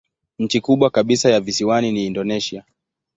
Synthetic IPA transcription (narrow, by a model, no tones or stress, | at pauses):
ɲ̩t͡ʃikuɓwakaɓisajavisiwaniniːndɔnɛʃia